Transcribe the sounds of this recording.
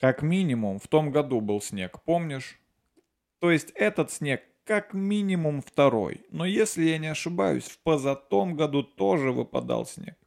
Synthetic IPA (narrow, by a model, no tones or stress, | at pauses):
kɐkmʲinʲɪmʊmft̪o̞mɡɐd̪ubɨlˠsʲnʲe̞kpo̞mnʲɪʂ | t̪o̞ɪsʲtʲɛt̪ət̪sʲnʲe̞kːakmʲinʲɪmʊmft̪ɐɾo̞̰jno̞jesʲlʲɪjanʲɪɐʂɨba̰jʊ̰sʲfpəzɐt̪o̞mɡɐd̪ut̪o̞ʐɨvɨ̰pɐ̰d̪ɑ̰lˠsʲnʲe̞̰k̚